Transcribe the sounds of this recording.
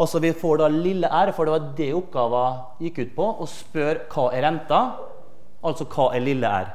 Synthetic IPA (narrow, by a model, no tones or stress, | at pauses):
ɑlsɔʋɪfoːɖɑːlɪlːəʔæːɾfɔɖɛʋɑɖɛʊpɡɑːʋɑ | jɪkːʉːt̪̚pʰɔʔɔspœɾkʰɑːʔɛɾɛnt̪ɑ | ʔɑlsɔkʰɑːʔæɭɪlːəæ̰ːɾ